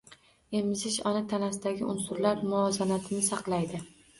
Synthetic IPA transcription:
e̞mɪzɪʃɒnɪt̪ʰanasɪd̪aɡʲɪʔʊnsʊɾlaɾmʊɒzanat̪ʰɪnɪsɑqlˠajd̪ɪ

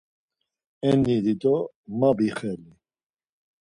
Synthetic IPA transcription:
ɛniɾit̪ʼɔ | mabiχɛli

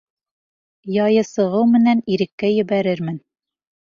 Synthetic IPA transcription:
jɑjɤsɤ̆ʁɤwmɘ̆næniɾɘ̆kːæjɘ̆bæɾɘɾmɘn

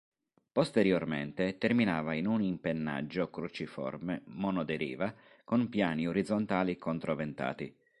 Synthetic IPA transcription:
post̪eɾjormḛnt̪et̪erminaːvainunimpenːa̰d͡ʒːokɾut͡ʃifɔ̰rmemɔnɔd̪eɾḭːva | konpjaːnioɾid̪zːont̪aːlikont̪ɾovent̪a̰ːt̪i

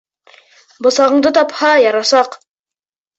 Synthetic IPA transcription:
bŏsɑʁɤ̆ɴd̪ɤt̪ɑphɑjɑɾɑsɑq

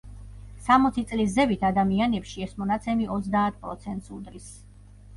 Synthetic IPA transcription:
samɔt̪sʰit̪sʼlis̬zɛbit̪ʰad̪amianɛpʃiɛsmɔnat̪sʰɛmiʔɔt̪zd̪aːt̪̚ʰpʼɾɔ̰t̪sʰɛnt̪sud̪ɾis

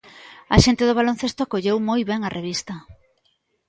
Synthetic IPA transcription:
ɐ̰ʃent̪eðʊβ̞alonθest̪oakoʎewmojβɛŋɐrʔeβ̞ist̪ɐ

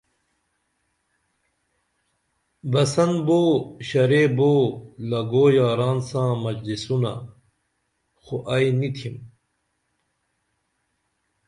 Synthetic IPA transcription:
bɐsɐnboːɕɐɾeːboːlɐɡoːjaːɾaːnsãːmɐd͡ʑlisuna̰ | xoʔɐjnit̪ʰim

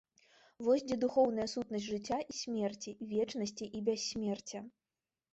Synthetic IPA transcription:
vɔzʲd͡zʲɛd̪uxɔwnɐjɐsut̪̚nɐsʲʐɨt͡sʲːaʔisʲmʲɛrt͡sʲivʲɛt͡ʂnɐsʲt͡sʲiʔibʲasʲːmʲɛrt͡sʲɐ

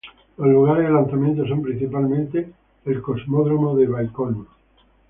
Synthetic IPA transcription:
oluɣ̞aɾelãnθamjent̪oso̞mpɾin̟θipalmẽnt̪eː | lkozmoðɾomoðeβalkono

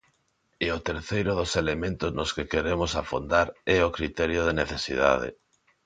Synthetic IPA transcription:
ɛʊt̪eɾθejɾʊðʊselemẽnt̪ʊznoskekeɾemʊsafond̪aɾɛʊkɾit̪ɛɾjoð̞eneθesḭða̰ðḛ

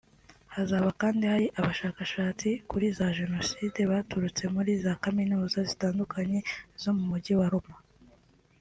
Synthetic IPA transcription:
hazaβakaːndihaɾiʔaβaʃaːkaʃaːt͡sikuɾizaʒe̞no̞siːde̞βatuɾut͡se̞muɾizakaminuːzazitaːndukʰaɲe̞zo̞mumuɟiwaɾoma

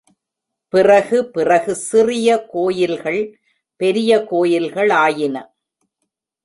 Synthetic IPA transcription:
pɪrɐɣɯpɪrɐɣɯsɪrɪjɐkoːjɪlɣɐɭ | pɛɾɪjɐkoːjɪlɣɐɭaːjɪnɐ

